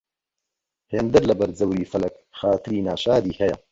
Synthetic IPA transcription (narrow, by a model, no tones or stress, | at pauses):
heːnd̪ɐɾlɐbɐɾd͡zɐwɾiːfɐlɐk̚ | xaːt̪ɨɾiːnaːʃaːɾiːhɛjɐ̰